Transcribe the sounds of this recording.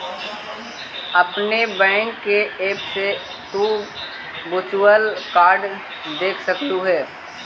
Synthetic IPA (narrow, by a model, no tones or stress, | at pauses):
ɐpnebɛ̃ːŋkːeʔeːpse | ʈuː | but͡ʃuəlkaːɾɖ | d̪eːkʰsəkt̪uɦɛː